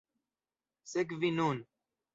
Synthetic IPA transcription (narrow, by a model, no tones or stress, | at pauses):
sekvinuːn